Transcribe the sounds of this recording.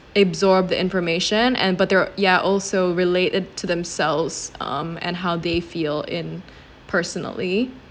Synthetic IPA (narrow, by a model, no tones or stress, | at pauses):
ɨbzɔɹb̚ðiʔɪ̃ɱfə˞meɪʃɨ̃nʔɨ̰̃nbʌt̪̚ðə˞jæʔɔlˠsoʊɹɨleɪɾɨd̚tʰɨðɨ̃msɛlˠvz̥ʌ̰̃mɨ̰̃nɦaʊðeɪfilˠɪ̃n | pʰɜ˞sn̩l̩ˠi